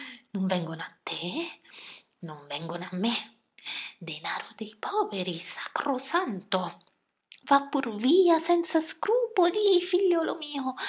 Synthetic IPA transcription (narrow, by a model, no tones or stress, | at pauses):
numvɛŋɡonat̪ːe | nuɱvɛŋɡonamːe | d̪enaɾod̪ejpʰɔveɾisakɾosant̪o | vapːuɾviasɛnt̪saskɾupolifiʎjolomiːo